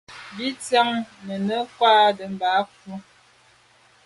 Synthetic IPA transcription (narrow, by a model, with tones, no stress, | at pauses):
bi˦t͡sa˦ŋnə˨nə˦kwaː˦də˨m̩˨baː˨˦fu˦